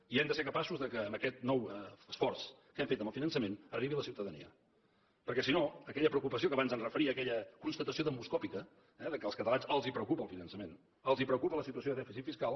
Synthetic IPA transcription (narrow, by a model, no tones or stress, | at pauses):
iɛmd̪əseɾkəpasuzðəkəːmbəkɛt̪nɔwəsfɔrs | kɛmfet̪əmbəlˠfinənsəmenəriβiləsiwt̪əðənḭə̰ | pəɾkɛsinoəkɛʎəpɾəukupəs̬iokəβanzənrəfəɾiəːkɛʎəkunst̪ət̪əsioðəmuskɔpikə | ɛðəkəːlˠskət̪əlanszəlˠzipɾəukupəːlˠfinənsəmen | əlˠzipɾəukupələsit̪uəsjoðəðɛfisit̪fiskalˠ